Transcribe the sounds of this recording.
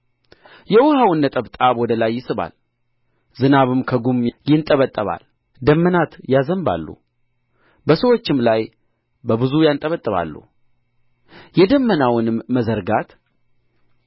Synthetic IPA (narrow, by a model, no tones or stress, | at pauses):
jɛwɔhawɨnːət̪ʼəβt̪ʼawɔd̪əlajːɪsɨβa̰l | zɨnaβɨmkʰəɡumjɪnt̪ʼəβət̪ʼːəβa̰l | d̪əmːənat̪jazəmba̰lːṵ | bəsəwo̞t͡ʃːɪmlaj | bəβɨzujant̪ʼəβət̪ʼːəβa̰lːṵ | jɛd̪əmːənawnɨmːəzəɾɡat̪